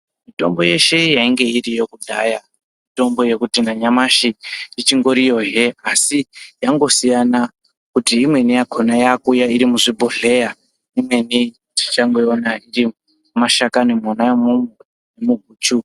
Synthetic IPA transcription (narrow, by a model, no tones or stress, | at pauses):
mito̞̰mbo̞je̞ʃe̞jaiŋɡe̞irijo̞kudʱa̰ja | mito̞mbo̞je̞kutinaɲamaʃiit͡ʃiŋɡo̞ɾijo̞ɦeasijaŋɡo̞sijana | kutiːmwe̞nijakʰonajakujaiɾimuʐibʱoɮe̞ja | imwe̞ni | ti̥t͡ʃaŋɡoonairi | maʃakanemonajemumwe | nemuɡʱuːt͡ʃu